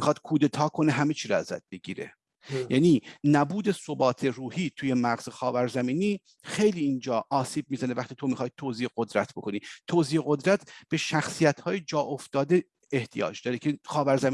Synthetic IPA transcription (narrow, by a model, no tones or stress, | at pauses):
mixɒːd̪̥kʰuːd̪e̞t̪ʰɒːkʰo̞neɦæmet͡ʃʰiːɾɒæ̰zæ̰d̪̚beɟḭːɾe̞̰ | jæːniːnæbuːd̪e̞so̞bɒːt̪ʰe̞ruːhiːt̪ʰuːje̞mæɣz̥exɒːvæɾzæmiːniː | xe̞jliːnd͡ʒɒːʔɒːsiːb̚miːzænevæχt̪ʰiːt̪ʰo̞mixɒːjt̪ʰoːziːeɡo̞d̪ɾæt̪ʰbo̞kʰo̞niːt̪ʰoziːeɣo̞d̪ɾæt̪ʰb̥e̞ʃæxsijæt̪hɒːjed͡ʒɒːʔoft̪ɒːd̪e̞ː | ht̪ʰijɒ̰ːd͡ʒd̪ɒːɾecʰexɒːvæɾzæmi